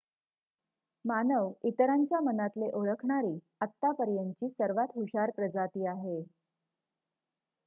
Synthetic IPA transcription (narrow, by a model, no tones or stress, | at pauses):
manəʋit̪ɾaɲt͡ɕjamənat̪leʔoɭəkʰɳaɾiː | ət̪ːapəɾjəɲt͡ɕiːsəɾʋat̪ɦuɕaɾpɾəd͡zat̪iːaɦe